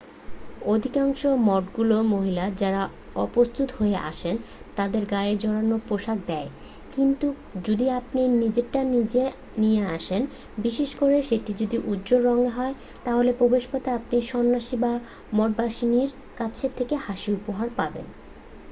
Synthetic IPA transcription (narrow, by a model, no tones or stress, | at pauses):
od̪ʱikaŋʃomɔɖɡulomoɦilad͡ʑaɾa | ɔpost̪ut̪hoeʔa̰ʃen | t̪ad̪eɾɡaed͡ʑɔɽanopɾoʃakd̪ɛe | kint̪u | d͡ʑod̪iapninid͡ʑeʈːanid͡ʑe | nijeaʃen | biʃeʃkoɾeʃeʈid͡ʑod̪iʔud̪ːd͡ʑoɾːɔŋeɦɔe | t̪aɦolepɾobeʃpot̪eap̚niʃɔnːaʃiba | mɔɖ̚baʃiniɾ | kat͡ɕʰet̪ʰekehaʃiupoɦaɾpabḛn